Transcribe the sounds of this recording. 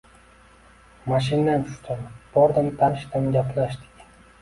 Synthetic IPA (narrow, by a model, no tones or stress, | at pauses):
maʃ̬ɪnːant͡ʃʰʊ̥ʃt̪ʰamb̥ɒɾd̪amt̪ʰanɪʃt̪amɡʲaplaʃt̪ɪ̥kʲ